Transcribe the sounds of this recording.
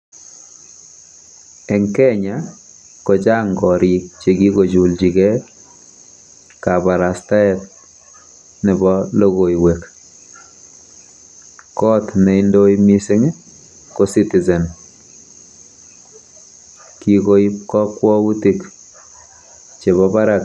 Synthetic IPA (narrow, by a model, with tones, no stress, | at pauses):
ɛ˨ŋkɛ˦ɲa | ko˨t͡ʃa˦ŋɡɔ˨ɾi˨k̚t͡ʃe˨ɡi˦ko˨d͡ʒu˨ld͡ʒi˨kɛ˦ | ka˨ba˨ɾa˨sta˦ɛt | nɪ˨bɔlo˦ɣo˨iwek | kɔ˦tne˨indo˦imi˦si˦ŋ | ko˦si˦ti˨zɛ˨n | ki˨ko˦i˦p̚kɔ˦kwɔ˦wu˦ti˨k | t͡ʃe˨βɔpa˦ɾak